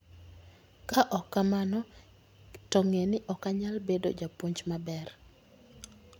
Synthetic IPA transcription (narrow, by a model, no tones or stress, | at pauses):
kaʔɔkːamanɔ | tɔŋenɪʔɔkaɲalbedo̰d͡ʒapoɲt͡ʃmabɛr